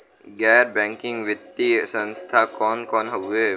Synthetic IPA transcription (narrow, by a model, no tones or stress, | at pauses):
ɡɛːɾbɛ̃ːŋkɪ̃ŋɡʋɪt̪ːisə̃nst̪ʰakɔːnkɔːnɦəbe